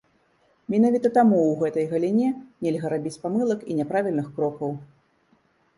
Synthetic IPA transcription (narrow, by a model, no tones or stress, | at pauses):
mʲinavʲit̪ɐt̪amuwɣɛt̪ɐjɣɐlʲinʲɛnʲɛlʲɣɐɾabʲit͡sʲpamɨlˠɐkḭnʲɛpɾavʲilʲnɨxkɾɔkɐw